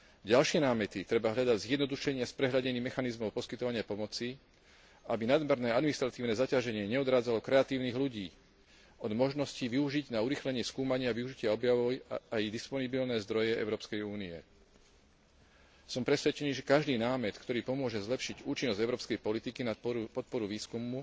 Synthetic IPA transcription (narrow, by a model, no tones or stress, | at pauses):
ɟalʃɪɛnaːmɛt̪it̪ɾɛbaɦʎad̪aɟzjɛd̪nɔd̪uʃɛɲɪaspɾɛɦʎaɟɛɲiːmɛxanizmɔʊpɔskit̪ɔʋaɲɪapɔmɔt͡si | abinad̪mɛɾnɛːad̪minist̪ɾat̪iːʊnɛːzacaʒɛɲɪɛɲɛɔd̪ɾaːd͡zalɔkɾɛat̪iːʊniːɣluɟiː | ɔd̪mɔʒnɔsciʋiuʒiɟnauɾiːxlɛɲɪɛskuːmaɲɪaːʋiuʒicɪaɔbjaʋɔjajd̪ispɔnibilnɛːzd̪ɾɔjɛɛ̰ʊɾɔːpskɛjuːniɛ | sɔmpɾɛsʋɛt͡ʃɛniːʒɛkaʒd̪iːnaːmɛt̪kt̪ɔɾiːpɔmʊɔʒɛzlɛpʃiɟuːt͡ʃinːɔzɟɛʊɾɔːpskɛjpɔlit̪ikinpɔt̪̚pɔɾuʋiːskumːu